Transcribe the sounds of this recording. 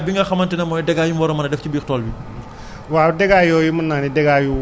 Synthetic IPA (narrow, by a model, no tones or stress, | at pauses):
biŋɡɐxɐmɐntɛnɐmɔːjdɛɡaːjumbɔɾɔmɐnɐdɛfcibiːxtɔːlbi | waːdɛɡaːjɔːjumɐnːaːnidɛɡaːju